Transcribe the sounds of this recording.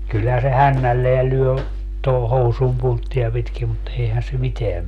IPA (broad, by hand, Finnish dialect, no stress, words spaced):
kylhæː se hænːælːeæ lyø toho housum puntːiɑ pitki mut eihæn se miteæm